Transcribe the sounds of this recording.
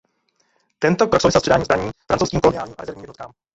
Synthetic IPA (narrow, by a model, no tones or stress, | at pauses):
t̪ɛnt̪opɾaksowvɪsɛlspʰrɛdaːɲiːzbɾaɲiːfɾant͡sowskimkolonɪaːlɲiːma̰ɛzɛɾvɲːmjɛdnɔt̪kaːm